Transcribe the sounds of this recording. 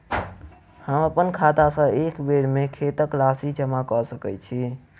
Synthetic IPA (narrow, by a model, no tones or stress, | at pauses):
həməpənkʰat̪asə̃ekbeɽmekʰet̪əklasid͡ʒəmakɔsəkɛjt͡ʃʰi